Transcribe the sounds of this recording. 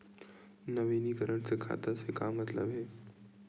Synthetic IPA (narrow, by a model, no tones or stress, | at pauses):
nəʋinikəɾəɳ̃sekʰa̰ːt̪asekaːmət̪lə̰bɦeː